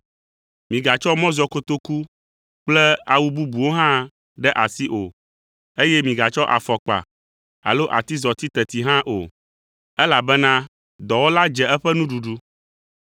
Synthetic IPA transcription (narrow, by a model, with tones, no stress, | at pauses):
mĩ˨ɡa˨t͡ʃɔ˦mɔ̃˦zɔ˨ko˦t̪o˦ku˦ | k͡plɛ˦a˨wu˦bu˦bu˨wo˦ɦã˦ | ɖɛ˦ʔa˨si˦ʔo̰˨ | e˦jɛ˦mĩ˨ɡa˨t͡ʃɔ˦ʔa̰˨fɔ˨k͡pa̰˨ | a̰˨lo˦ʔa̰˨t̪i˦zɔ˨t̪i˦t̪ɛ˨t̪i˨˦ɦã˦ʔo̰˨ | ɛ˦la˨bɛ˦nã˦ | d̪ɔ˨wo˦la˦d͡ʒɛ˨ɛ˦ɸɛ˦nũ˦ɖu˨ɖu˦